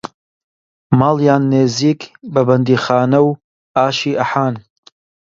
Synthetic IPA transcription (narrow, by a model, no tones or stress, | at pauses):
maːlˠjaːnːeːziːkbɐbɐnd̪iːxaːnɐw | aːʃiːʔɐħaːn